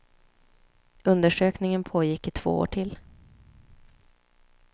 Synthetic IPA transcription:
ɵnd̪əʂøːknɪŋənpʰoːjɪkːɪt̪ʰv̥o̰ːo̰ːʈʰɪl

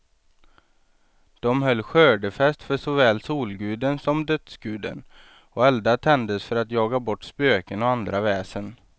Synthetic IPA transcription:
d̪̥ɔmɦœlːɧøːɖəfɛst̪fœʂɔvɛːlsuːlɡʉ̟ːd̪ənsɔmd̪œt̪sɡʉ̟ːd̪ə̰n | ɔɛld̪at̪ʰɛnd̪əsfœɾat̪jɑːɡabɔʈːspøːkənɔand̪ɾavɛːsən

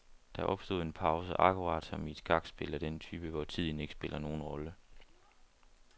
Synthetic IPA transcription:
d̥ɑ̈ʔɒ̽b̥sd̥o̝ðˠe̝npʰɑ̈ʊsəʔɑ̈kʰuɑ̈ːd̥sɒ̽mid̥ɡ̥ɑ̈ɡ̥sb̥e̝lɐd̥ent͡sʰyːb̥əʋɒt͡sʰið̰ˠn̩e̝ɡ̥ə̥sb̥e̝lʔɐno̝ːn̩ʁɒ̽lə

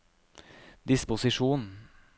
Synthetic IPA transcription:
d̪ɪspʊsɪʂuːn

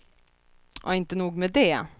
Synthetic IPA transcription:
ʔɔ̰ɪnt̪ənuːɡmɛd̪ɛ

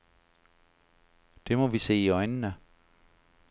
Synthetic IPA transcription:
d̥e̝mɒ̽ʋise̝̰ːiɒɪnnə

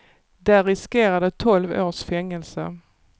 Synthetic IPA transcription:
d̪æɾɪskeːɾad̪ət̪ʰɔlvoːʂfɛŋːəlsə̰

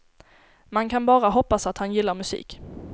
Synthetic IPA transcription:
mankʰanbɑːɾaɦɔpːasat̪hanjɪlːaɾmɵsḭːk

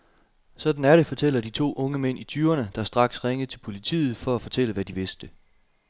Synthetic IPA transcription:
sɒ̽d̥n̩æɐɾe̝fɒ̽t͡sʰel̰ɐd̥it͡sʰo̝̰ːʔɔ̽ŋəmen̰it͡sʰyːɐnəd̥ɑ̈sd̥ʁɑ̈ɡ̥sʁeŋəðt͡sʰe̝lpʰo̝lit͡sʰḭːð̞̩ˠfɒ̽æfɒ̽t͡sʰel̰əʋæd̥iʋe̝sd̥ə

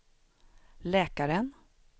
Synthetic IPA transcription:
lɛːkaɾən

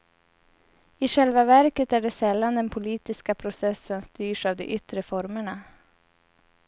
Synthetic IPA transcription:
ɪɧɛlvavæɾkət̪æɖɛsɛlːand̪ɛnpʰʊliːt̪ɪskapʰɾʊsɛsːənst̪yːʂavd̪ɛ̰ʔʏt̪ɾəfɔɾməɳa

